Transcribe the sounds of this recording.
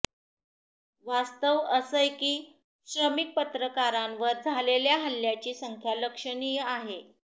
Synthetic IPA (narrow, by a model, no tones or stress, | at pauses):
ʋast̪əʋəsəjkiː | ɕɾəmik̚pət̪ɾəkaɾãmʋəɾd͡zʱaleljaɦəljat͡ɕiːsəŋkʰjaləkʂənijaɦe